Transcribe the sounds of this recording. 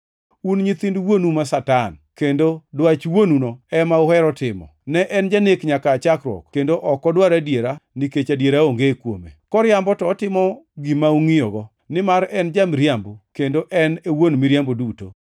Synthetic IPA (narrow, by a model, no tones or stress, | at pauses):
unɲit̪indwonumasatankendodwat͡ʃwonunoɛmaʊhɛɾɔtɪmɔ̰nɛʔɛnd͡ʒanekɲakaːt͡ʃakɾwɔ̰kkendoʔɔkɔdwaɾadjeɾanɪket͡ʃadjeɾaoŋɡekwomḛkɔɾjambɔtɔːtɪmɔɡimauŋijɔɡɔ | nɪmaɾɛnd͡ʒamɾjambokendoʔɛnewonmiɾjamboduto̰